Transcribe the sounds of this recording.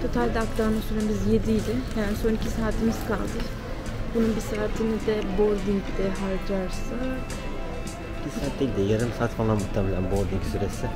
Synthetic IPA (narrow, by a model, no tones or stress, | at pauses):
t̪ʰo̞t̪ʰalʲd̪ɛaklˠamasyɾɛmizje̞d̪ijd̪ʲɪjaːniso̞nicʰisaːt̪ʰimiz̥kʰa̰lˠd̪ɯ | bununbisaːt̪ʰinid̪ɛboɾd̪iŋcd̪̥ɛɦaɾd͡ʒaɾsak | icʰisaːt̪lɛd̪ɛjaɾɯnsaːt̪fanlˠamuht̪ʰemelʲænboɾd̪iŋcsyɾesɪ